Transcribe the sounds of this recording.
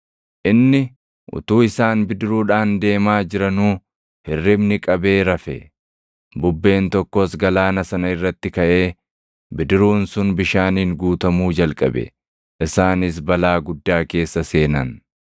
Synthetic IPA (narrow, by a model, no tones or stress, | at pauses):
ʔɪnːɪ | ʔʊ̰t̪uːɪsaːnbɪd̪ɪɾuːᶑaːnd̪e̞ːmaːd͡ʒɪɾɐnuː | hɪrːɪbnɪkʼɐbe̞ːɾɐfɛ̰ | bʊbːe̞ːnt̪ɔkːosɡɐlaːnɐsɐnɐɪrːɐt̪ːɪkɐʔe̞ː | bɪd̪ɪɾuːnsʊnbɪʃaːniːŋɡuːt̪ɐmuːd͡ʒɐlkʼɐ̰bɛ̰ | ʔɪsaːnɪs̬bɐlaːɡʊd̪ːaːke̞ːsːɐse̞ːnɐn